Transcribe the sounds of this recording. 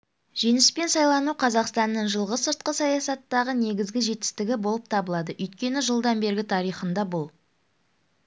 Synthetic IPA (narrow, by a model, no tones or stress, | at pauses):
ʒ̥e̞nɪspe̞nsɑjlˠɑnuqʰɑzɑqst̪ɑnːəɴʒəlˠʁəsəɾt̪̚qəsɑjɑsɑt̪ːɑʁəne̞ɡʲɪzɡʲɪʒe̞t̪ːɪ̥st̪ɪɡʲɪbolˠəp̚t̪ʰɑbəlˠɑd̪əʔʏjt̪̚kʲe̞nɪʒəlˠd̪ɑnbe̞ɾɡʲɪt̪ʰɑɾijχənd̪ɑbʊlˠ